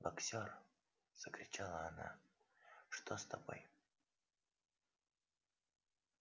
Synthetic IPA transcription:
bɐksʲor | z̥əkɾʲɪt͡ɕalˠəɐna̰ | ʂt̪ost̪ɐbo̞̰j

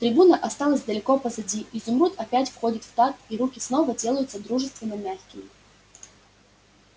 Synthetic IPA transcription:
t̪ɾʲɪbunəʔɐst̪ɑlˠəsʲd̪əlʲɪko̞pəzɐdʲiizʊmɾut̪ɐpʲætʲfxodʲɪt̪ft̪at̪iɾukʲɪsno̞vədʲe̞lˠəjʊt̪səd̪ɾuʐɨst̪vʲɪnːəmʲaxkʲɪmʲɪ

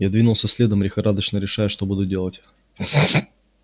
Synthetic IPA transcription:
jad̪vʲinʊlˠsʲəsʲlʲed̪əmɾʲɪxɐɾad̪ət͡ɕnəɾʲɪʂajʊʂt̪o̞bud̪ʊdʲe̞lˠətʲ

